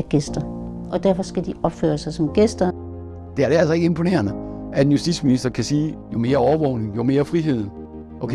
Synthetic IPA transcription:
ɡ̥isd̥ɐ | ʔɒ̽d̥æɐfɒ̽sɡ̥æd̥iɒ̽b̥fø̰ːɐsɑ̈ɪsɒ̽mɡ̥esd̥ɐ | d̥e̝æɐɾe̝ælsɒe̝ɡ̥əe̝mpʰo̝ne̝̰ːɐnəʔæd̥enjusd̥i̥sminisd̥ɐkʰæsiːjo̝me̝ːɐɒːɐʋɒʊ̰neŋjo̝meːɐfʁiɦe̝ð̰ˠn̩ | ʔokʰ

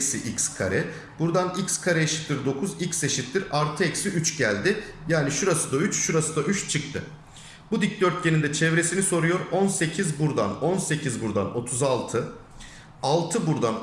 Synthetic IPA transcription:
siʔicskʰa̰ɾɛ | b̥uɾd̪anicskʰaɾɛeʃi̥t̪ːiɾd̪o̞kʰuzicse̞ʃit̪ːiɾaɾt̪ʰɯecsiʔyt͡ʃɟælʲd̪ɪjaːniʃuɾasɯd̪ayt͡ʃʃuɾasɯd̪aʔyt͡ʃt͡ʃʰɯk̚t̪ʰɯ̰ | bud̪ic̚d̪øɾt̪̚ɟe̞nind̪ɛt͡ʃʰɛvɾe̞siniso̞ɾujo̞ɾonse̞cʰizbuɾd̪a̰nonse̞cʰizbuɾd̪a̰no̞̰t̪ʰuzalˠt̪ʰɯ | alˠt̪ʰɯbuɾd̪an

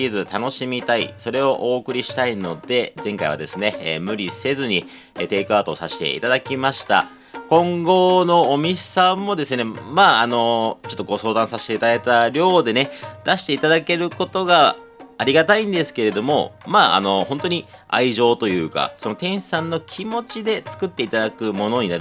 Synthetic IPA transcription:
iːzɨt̪ano̞ɕimʲit̪aḭso̞ɾe̞o̞ʔo̞ːkɯ̟ɾʲiɕi̥t̪aino̞d̪e̞zẽ̞ŋkaiβa̰d̪e̞sɨne̞mɯ̟ɾʲise̞zɨɲ̟i | t̪e̞ːkɯaːt̪o̞ːsaɕi̥t̪e̞̰ḭt̪ad̪akʲimaɕi̥t̪a̰ | kõ̞ŋɡo̞no̞ːmʲisãmːo̞d̪e̞sɨne̞maːno̞t͡ɕot̪ːoɡo̞so̞ːd̪ãɰ̃saɕi̥t̪e̞it̪ad̪ait̪aɾʲo̞ːd̪e̞ne̞d̪̥aɕi̥t̪eit̪ad̪ake̞ɾɯ̟ko̞t̪o̞ɡaːɾʲiɡat̪aĩnd̪e̞sɨ̥ke̞ɾe̞d̪o̞mo̞̰maːʔa̰no̞hõ̞nt̪o̞ɲ̟ia̰iʑo̞ːt̪o̞jɯ̟ːka̰so̞no̞t̪ẽ̞ɰ̃ɕsãnːo̞kʲʰimo̞t͡ɕid̪e̞t͡sɨ̥kɯ̟t̪ːe̞it̪ad̪akɯ̟mo̞no̞ɲ̟inaɾɯ

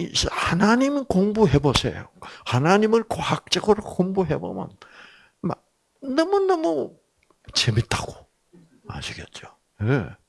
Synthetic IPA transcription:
shanaɲimikoŋbuɦe̞bosḛjo̰hanaɲimɯɭkohak̚t͡ɕ͈ʌɡɯɾokoŋbuɦḛbo̰mjʌ̰n | ma̰ | nʌmunʌmu | t͡ɕemit͈̚aɡ̥o | a̰ɕʰiɡet̚t͡ɕ͈o | jḛ

